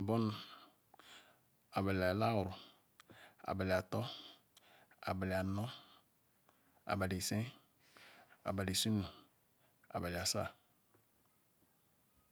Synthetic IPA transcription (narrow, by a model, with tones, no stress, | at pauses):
bɔ˦n˨ | a˨ba˨lɪ˨a˨la˦wʊ˨ɾʊ˨ | a̰˨ba˨la˨t̪ɔ˦ | a̰˨ba˨lɪ˨a˨nɔ˦ | a̰˨ba˨li˨sɛ̃˦ | a̰˨ba˨li˨su˦nũ˨ | a̰˨ba˨lɪ˨a˨sa̰˦˨